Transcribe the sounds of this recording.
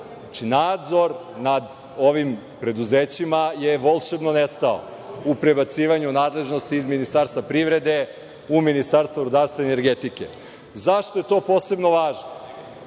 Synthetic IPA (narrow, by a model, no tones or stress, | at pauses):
at͡ʃinaːd̪zo̞ɾnad̪ | o̞ʋim | pɾe̞d̪uzeːt͡ɕimajeʋolˠʃebnonest̪ao̰ | upɾe̞bat̪siːʋaɲunaːd̪le̞ʒno̞st̪iːzminist̪aɾst̪vʋapɾiʋɾe̞d̪e̞ | uminist̪aɾst̪vaɾod̪aɾst̪ʋaeneɾɡet̪ikḛ | zaʃt̪o̞je̞t̪o̞ːpo̞ːse̞bno̞ʋaːʒno